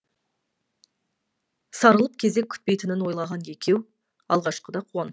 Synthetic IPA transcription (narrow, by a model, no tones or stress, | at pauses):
sɑɾəlˠəp̚kʲʰe̞ze̞k̚ʲʰʏ̥t̪̚pejt̪ɪnɪnwo̞jlˠɑʁɑnje̞kʲʰe̞w | ɑ̰lˠʁɑʃqəd̪ɑqʰuɑn